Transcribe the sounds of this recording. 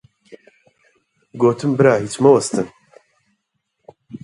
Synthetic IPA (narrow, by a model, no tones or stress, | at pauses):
ɡoːt̪ʰɨmbɨɾaːɦit͡ʃmɐwɐst̪ɨn